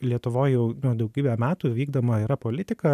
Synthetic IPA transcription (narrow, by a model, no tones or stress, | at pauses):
lʲiɛt̪ʊʋoːjjɛʊnʊd̪ɐʊɡʲiːbʲɛmʲæːt̪uːʋʲiːɡd̪oːmɐiɾɐpoːlʲɪt̪ʲɪkɐ